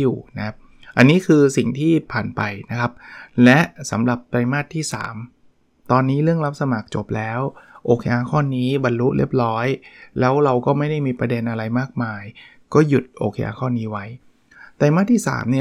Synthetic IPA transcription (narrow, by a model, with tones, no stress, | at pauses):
uː˨˩na˦kʰa˦˥p̚ | ʔa˧nːiː˦˥kʰɯː˧si˨˩ŋt̪ʰiː˥˩pʰaː˨˩npa˧jna˦˥kʰa˦˥p̚lɛ˦˥ʔsa˩˦mɾa˨˩p̚t̪ɾa˧jmaː˥˩t̪ʰːiː˥˩sa̰ː˩˦m | t̪ɔː˧nːiː˦˥lɯ˥˩əŋla˦˥p̚sa˧maː˨˩k̚t͡ɕo˨˩p̚lɛː˦˥wʔoː˧kʰe˧jʔaː˧kʰɔː˥˩nːiː˦˥ba˧nlu˦˥ʔlḭ˥˩p̚lɔː˦˥jlɛː˦˥wɾa˧wkɔː˥˩ma˥˩jda˥˩jmiː˧pɾa˧de˧nʔa˧ɾa˧jmaː˥˩k̚maː˧j | kɔː˥˩ju˨˩t̪̚ʔo̰ː˧kʰe˧jʔa̰ː˧kʰɔː˥˩niː˦˥wa˦˥j | t̪a˧jmaː˥˩t̪ʰːiː˥˩sa̰ː˩˦mni˥˩